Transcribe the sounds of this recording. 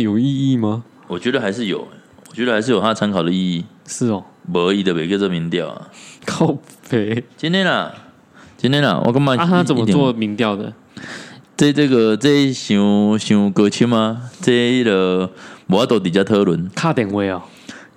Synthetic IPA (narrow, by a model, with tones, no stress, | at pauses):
jo˨˩ʊi˥˧i˥˧ma˨ | wɔ˨˩t͡ɕɥɛ˧˥d̪ə˧xa˧˥ɪʂɻ̩˥˩jo̰˨˩ʊ˦wt͡ɕɥɛ˧˥də˧a˧ɪʂɻ̩˥˩jo˨˩t̪ʰa˥˧t͡sʰa˧˦nkʰɑ˨˩ʊd̪ə˦i˥˧i˥˩ʂɻ̩˥˩ɔ˩bə˧˦i˨d̪ə˨˩we˨˩kə˥˧t͡sə˥˧˨mi˧˥ŋt̪jɑ˥˨ʊa̰˨˩kʰa˥ʊfe˧˥˦t͡ɕi˥˦nt̪ʰjɛ˥na˨˩ | t͡ɕi˥nt̪ʰjɛ˥na̰˨wʔɔ̰˨˩ka˥˧ŋmã˥˧a˦˥aa˥t͡sə˨m˥ə˦t̪wɔ˥mi˧˥ŋt̪jɑ˥˨ʊd̪ə̰˨ | t͡se˥˧t͡sə˥˧˩ɡə˨t͡se˥˧i˦˩ɕu˧˥ɕu˨˥kə˧t͡ɕʰi˥nma˧t͡se˥˧i˥˩də˨wɔ˨˦jt̪o˧˥˩t̪p̬i˨˩t͡ɕja˥˧t̪ʰɤ˥˦lwə˧˦nkʰa˥˧t̪ɛ˨˩˦ŋwe˥˧ɪɐ˨˩